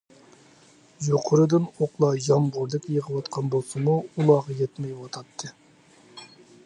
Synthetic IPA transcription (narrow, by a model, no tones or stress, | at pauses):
joqʰʊɾɨd̪ɨnoqlˠɑjɑmʁʊɾd̪ɨkʲjəʁəwɑt̪qʰɑnbolˠsɨmuulˠɑʁɑjɛt̪mɛjwɑt̪ʰɑt̪ʰːɨ